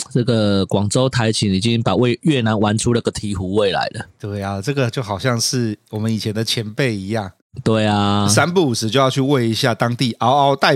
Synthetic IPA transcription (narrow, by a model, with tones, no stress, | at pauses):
t͡sə˥˩ɡə˨˩kwɑ˨˩ŋt͡so˥˦ʊt̪ʰa˧˥ɪt͡ɕʰi˨˥ŋi˨˩t͡ɕi˦˥ŋpa˨˩we˥˨ɪɥɛ˥˩na˧˦nwa˧˦nʈ͡ʂʰu˥lə˨˧ɡə˨t̪ʰi˧˥˦xu˧˥˦we˥˨˩ɪla̰˧˦ɪlə˨t̪we˥˩ɪa˨ʈ͡ʂɤ˥˩ɡə˨t͡ɕjo˥˩ʊxɑ˨˩ʊɕjɑ˥˧ŋʂɻ̩˥˩wɔ˨˩mə˨˦ni˨˩t͡ɕʰjɛ˧˦nd̪ə˨t͡ɕʰjɛ˧˥npe˥˨ɪi˧˥jɑ˥˩ŋ | t̪we˥˩ɪa˨sa˦npu˥˩u˨˩s̩˦t͡ɕo˥˧ʊjɑ˥˧ʊy˥˧we˥˩ɪi˧˥ɕja˥˨t̪ɑ˥˦ŋt̪i˥˨ʔa˦˥ʊa˦ʊt̪a˥˨ɪ